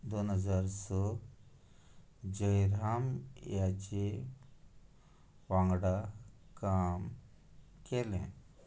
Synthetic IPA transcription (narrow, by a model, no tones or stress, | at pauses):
d̪onɦəd͡zaɾsɔ | d͡ʑəjɾamjat͡ɕe | ʋãŋɡɽa | kam | kelɛ̰̃